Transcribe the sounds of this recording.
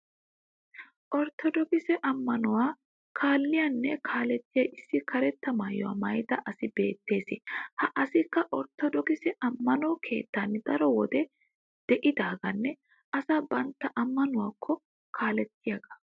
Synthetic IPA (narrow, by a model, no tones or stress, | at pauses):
ʔɔɾt̪ʰɔd̪ɔkɪsɛʔɐmːɐnʊwaː | kʰaːlːɪjanːɛkʰaːlɛt̪ːɪjɐʔɪsːɪkʰɐɾɛt̪ːɐmaːjːɔwa̰ːmɐjt̪ɐʔɐsɪbe̞ːt̪ːe̞ːsɪhɐʔɐsɪkːɐʔɔɾt̪ːɔd̪ɔkɪsɛʔɐmːɐnɔkʰe̞̰ːt̪ːanːd̪ɐɾɔwɔd̪ɛ | d̪̥ɛʔɪd̪aːɡɐnːɛ | ɐsabɐnt̪ːɐʔɐmːɐnʊwaːkʰːɔ | kʰaːlɛt̪ːɪjɐɡɐ̥